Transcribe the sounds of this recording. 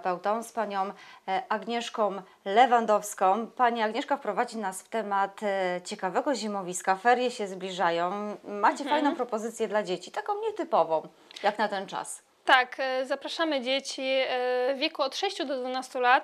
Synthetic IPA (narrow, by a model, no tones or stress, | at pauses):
pɛwt̪ɔ̃w̃spaɲɔ̃w̃ʔaɡɲɛʂkɔ̃w̃ | lɛvand̪ɔfskɔ̃w̃paɲiaɡɲɛʂkafpɾɔvad͡ʑinasft̪ɛmat̪t͡ɕɛkavɛɡɔʑimɔvʲiskafɛɾjɛɕɛzblʲiʐajɔ̃w̃mat͡ɕɛfajnɔ̃w̃pɾɔpɔzɘt̪sʲjɛd̪lad͡ʑet͡ɕit̪akɔ̃w̃ɲɛt̪ɘpɔvɔ̃w̃ | jaknat̪ɛnt͡ʂa̰s | t̪akzapɾaʂamɘd͡ʑet͡ɕivʲjekuɔt̪ʂɛɕt͡ɕud̪ɔd̪vunast̪ulat̪̚